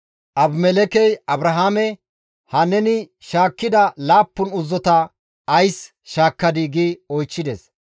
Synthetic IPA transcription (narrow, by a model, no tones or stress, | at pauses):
ʔɐbmɛlɛkɛjɐbɾɐɦaːmɛ | hɐnɛnɪ | ʃaːkːɪd̪ɐlaːpːʊnʊzːɔt̪ɐ | ɐjs | ʃaːkːɐd̪ɪɡiɔjt͡ʃːɪd̪ɛs